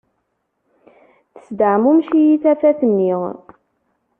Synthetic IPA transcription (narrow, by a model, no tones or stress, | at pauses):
θə̥sd̪əʕmumʃijiθæfæθənːiʁ